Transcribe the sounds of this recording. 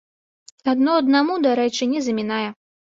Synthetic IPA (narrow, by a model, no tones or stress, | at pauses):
ad̪nɔɐd̪̚namud̪aɾɛt͡ʂɨnʲɛzɐmʲinajɛ